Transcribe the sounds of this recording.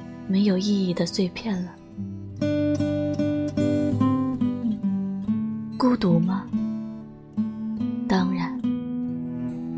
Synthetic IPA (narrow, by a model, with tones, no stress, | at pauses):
me˧˥ɪjo˨˩ʊi˥˧i˥˩d̪ə˨swe˥˧ɪpʰjɛ˥˩nlə˩ | ku˥˧t̪u˨˥mɐ˧ | t̪ɑ˥ŋɻa˨˥˦n